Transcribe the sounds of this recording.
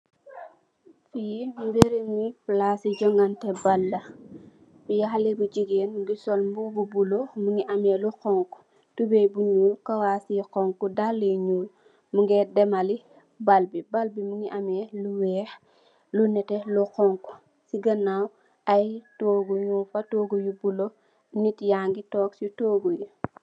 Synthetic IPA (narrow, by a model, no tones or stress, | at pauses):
fijimbeɾiniplasiɟɔŋɡɐntɛbalːɐ | bujɐxalɛbud͡ʒiɡeːnmuɡisɔlmbububulomuŋiʔamɛluqɔŋku̥ | tubɛjbuɲuːlkɐwasiqɔŋkudalːeɲuːl | muŋɡɛdɛmali | balbibalbimuŋiʔamɛluwɛːx | lunɛtɛluqɔŋku̥ | siɡɐnːaw | ɐjtoːɡuɲufɐtoːɡujubulo | nitjaːŋɡitɔːksitoːɡuji